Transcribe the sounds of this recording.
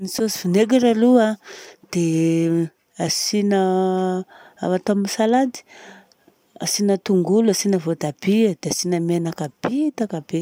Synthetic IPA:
nisosivineɡiɾaluad̪̥e | asinə | at̪aminisalad̪i̥ | a̰sinət̪uŋɡulasinəvod̪abid̪easinəmenakab̥it̪akab̥e

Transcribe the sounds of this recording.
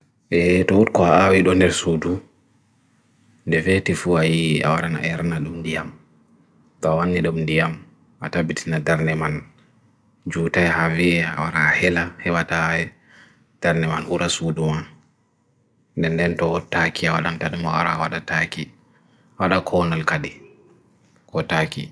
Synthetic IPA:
ʔɛtɔutkɔaawiɗɔndɛɾsudu | ndɛfɛtifuajia̰waɗana̰ɛɾnaɗumndijam | tɔawanːiɗumndijam | atabitinadaɾnɛman | d͡ʒuːtajhaviɛa̰waɾahɛlahɛwataɛ | d̥aɾnɛmanʔuɾʔasuduman | ndɛndɛntɔɔtakiawa̰ɗantaɗumawa̰ɾa̰waɗataki | awaɗakʰɔnalkaɗi | kɔtaki

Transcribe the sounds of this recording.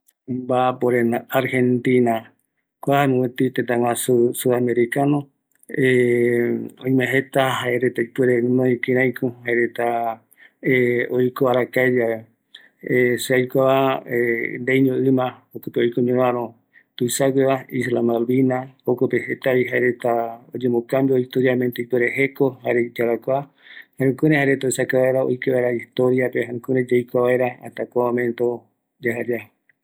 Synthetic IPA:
mbapoɾenaaɾhent̪ina | kʷahamũwet̪it̪et̪ãŋãsusuðameɾikano | e | õj̃mẽɦet̪aɦaeɾet̪aipeɾenõikiɾãjkuhaeɾet̪a | ojkoaɾakaed͡ʒaβe | seajkʷaβaend̪ejɲõʔɨmãokɨpeojkoɲeβãɾõ | t̪ujsakʷeβaislamalβinaokopehet̪aβiɦaeɾet̪aod͡ʒẽmokambioist̪oɾjamẽnt̪oipeɾeɦekohaɾed͡ʒaɾakʷa | haɾũkuɾẽhaɾet̪oisakaβaeɾao̰jkeβaeɾaist̪oɾijapeɦaɾũkuɾẽd͡ʒajkʷaβaeɾaa̰t̪akʷaβamẽnt̪o | d͡ʒaɦad͡ʒa

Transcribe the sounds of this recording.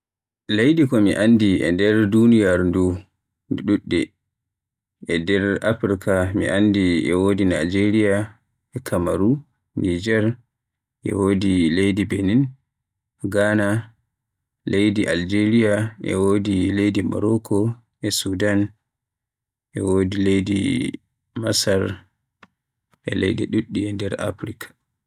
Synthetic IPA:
lejdikɔmiʔandiɛ̰ndɛɾdunijaɾndu | ɗuɗːɛ̰ | ʔɛdɛɾa̰fɾikamḭʔandiɛ̰wodina̰d͡ʒeɾija | ɛkʰamaɾu | nid͡ʒɛɾ | ʔɛ̰wodilejdibenin | ɡana | lejdiʔald͡ʒeɾijaʔɛ̰woːdilejdima̰ɾɔkʰɔ | ɛsudan | ʔɛwodilejdḭ | masaɾ | ʔɛ̰lɛ̰jdɛ̰ɗuɗːiɛndɛɾa̰fɾikʰḁ

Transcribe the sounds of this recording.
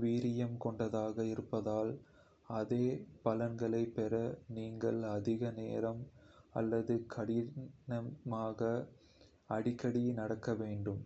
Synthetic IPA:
ʋiːɾɪjɐmkɔɳɖɐðaːɣɐɪɾɯpːɐðaːl | ɐðeːpɐlɐnɡɐɭɐɪpːɛɾɐniːŋɡɐɭɐðɪɣɐneːɾɐmɐ̰lːɐðɯkʰɐɽɪnɐmaːɣɐ | ɐɽɪkːɐɽinɐɽɐkːɐʋeːɳɖɯm

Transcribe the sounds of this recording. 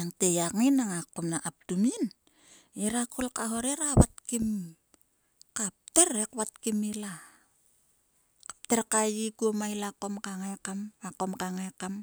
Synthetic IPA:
aŋtejakŋinaŋakomnaʔap̚tumin | eɾakolkaɦo̞ɾeɾaβat̚kim | kap̚teɾekβat̚kimila | kḁp̚teɾkajikuomajlako̞mkaŋekamako̞mkaŋekam

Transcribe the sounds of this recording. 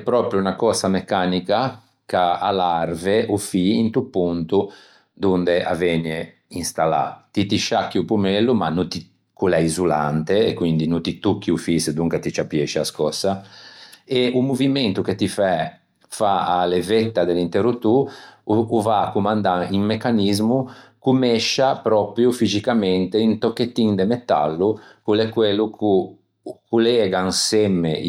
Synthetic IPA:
ɛpːɾɔːpɾjunakɔsamɛkːanika | kaa̰larveʔufiːnt̪upːunt̪u | d̪und̪eʔa̰vene | inst̪ala̰t̪it̪iʃakːiupumɛlːumanut̪i | kulɛizulant̪eɛkːwind̪inut̪it̪ukːiufisd̪uŋkat̪it͡ʃapjɛʃia̰skɔsa | eumuviment̪uket̪ifɛ | faalevɛt̪ːad̪elint̪eɾut̪uː | vakumand̪aiŋmekːanizmukumɛʃapɾɔpɾjufizikamɛnt̪eint̪okːet̪ːiŋd̪emet̪a̰lːukulɛkwelːuku | kulɛːɡaŋsɛmːe

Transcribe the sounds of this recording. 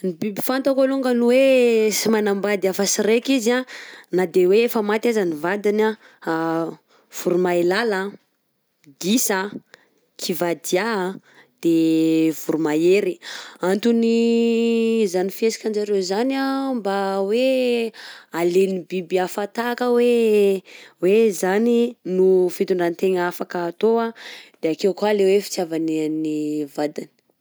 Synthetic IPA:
nibibi̥fant̪akaluŋɡənuwesimanambad̪iafəsiɾekizanad̪eweefəmat̪iazanivad̪ina | v̥uɾumailala | ɡisa | kʰivad̪ia | d̪̥ev̥uɾumajeɾiant̪uni | zanifiesi̥kʲand͡ʒaɾewzanambawe | alenibibiafat̪akəwe | wezaninufit̪uɳɖ͡ʐanit̪eŋafakəːt̪oad̪̥eakewkwalewefi̥t͡sjavaninivad̪ini̥

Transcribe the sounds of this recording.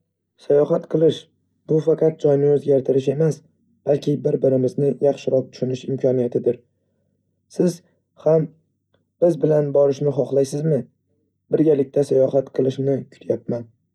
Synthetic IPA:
sajɒχat̪qʰɨlˠɪʃ | b̥ʊfɑqʰɑt̪̚d͡ʒɒjnɪɵzɡʲaɾt̪ʰɪɾɪʃe̞mas | b̥alkʲʰɪbɪɾbɪɾɪmɪznɪjɑχʃɪɾɒt̪̚t̪ʰʊ̥ʃʊnɪʃɪmkʰɒnijat̪ʰɪd̪ɪɾ | sɪz̥ | ham | b̥ɪzbɪlanbɒɾɪʃnɪχɒχlˠajsɪzmɪ | bɪɾɡʲalɪk̚ʲt̪ʰasajɒhat̪qʰɨlˠɪʃnɪkʲʰʊ̥t̪ʰjap̚man

